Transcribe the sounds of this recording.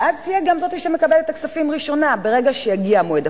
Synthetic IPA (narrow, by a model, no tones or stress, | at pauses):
ʔazt̪ijeɡamzot̪iʃeme̞kabelet̪ːaksafimʁiʃo̞nabe̞ʁe̞ɡaʃejaɡiamoed̪a